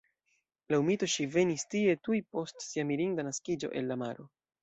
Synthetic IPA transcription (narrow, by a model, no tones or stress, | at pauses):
laumito̞ʃive̞nistie̞tujpo̞stsiamiɾiŋdanaskid͡ʒo̞̰ʔe̞lːamaɾo̞